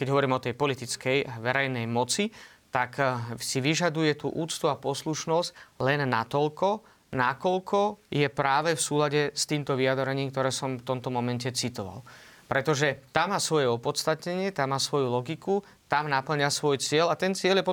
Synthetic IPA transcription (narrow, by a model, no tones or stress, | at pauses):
kɛɟɦɔʋɔɾiːmɔt̪ɛjpɔlit̪it͡skɛjʋɛɾɛjnɛjmɔt͡si | t̪aksiʋiʒad̪ujɛt̪ṵːʔuːt͡st̪uapɔsluʃnɔsclɛnːa̰t̪ɔlkɔ | nakɔlkʰɔjɛpɾaːʋɛfsuːlaɟɛst̪iːmt̪ɔʋiad̪ɾɛɲiːmk̚t̪ɔɾɛːsɔmft̪ɔmt̪ɔmɔmɛncɛt͡sit̪ɔʋa̰lpɾɛt̪ɔʒɛt̪amːaːsʋɔjɛɔpɔt̪st̪at̪ɲɛɲɪɛt̪amːaːsʋɔjulɔɡiku | t̪amnapl̩ɲasʋɔjt͡sɪɛlat̪ɛnt͡sɪɛljɛpɔ